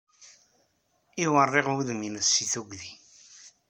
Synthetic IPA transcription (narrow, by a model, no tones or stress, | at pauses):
iwərˤːeʁuðminəsːiθuɡði